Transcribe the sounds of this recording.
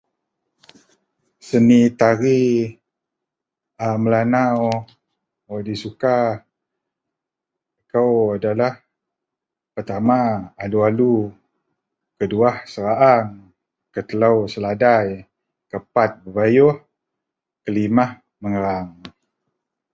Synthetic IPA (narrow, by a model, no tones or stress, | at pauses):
sənit̪aɾi | aməlanaw | wadisuka | kawadalah | pərt̪amaalualu | kəduahsəɾaʔaŋ | kət̪əlawsəladaj | kəpat̪̚bəbajʊh | kəlimah | məŋəɾaŋ